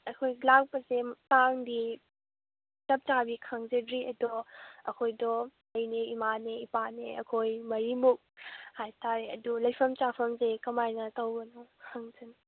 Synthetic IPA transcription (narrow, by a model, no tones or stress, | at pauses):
ɐkʰojlak̚pɐsetaŋdi | tɐp̚t͡ʃabikʰaŋzedɾiʔɐdɔəkʰojdɔ | ɐjneimaneipaneɐkʰojmɐɾimuk̚hajtʰaɾeɐdulɐjpʰɐmt͡ʃapʰɐmzekɐmajnɐtɔwbɐnɐkʰaŋzɯn